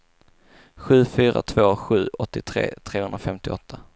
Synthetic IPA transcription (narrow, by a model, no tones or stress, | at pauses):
ɧʉ̟ːfyːɾa̰t̪ʰvoːɧʉ̟ːɔt̪ːɪt̪ʰɾḛːt̪ʰɾeːhɵnɾafɛmt̪ɪɔt̪ʰːa